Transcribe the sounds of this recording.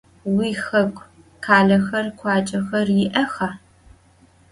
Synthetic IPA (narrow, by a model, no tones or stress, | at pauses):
wiːxɐkʷʼ | kʰaːɮɐxɐrkʷʰɑːt͡ʃʼɐxɐrjɪʔɐxaː